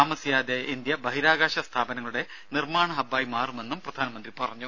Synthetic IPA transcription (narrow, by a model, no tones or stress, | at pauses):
aːmɐsjaːd̪eind̪jɐbɐɦiɾaːɡaːɕɐst̪ʰaːbɐnɐŋːɐɭuɽe̞ | nirmaːɳɐɦɐbaːjmaːrume̞nːumprɐd̪ʱaːnɐmɐnd̪ripɐrɐɲːu